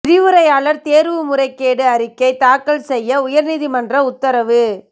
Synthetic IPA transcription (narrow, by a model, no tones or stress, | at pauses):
ɪɾiʋɯɾɐjaːlɐɾt̪eːɾʋɯmʊrɐɪkːeːɽɯɐɾɪkːɐɪt̪aːkːɐɭsɛjːɐʊjɐɾniːðimɐndrɐʊt̪ːɐɾɐʋɯ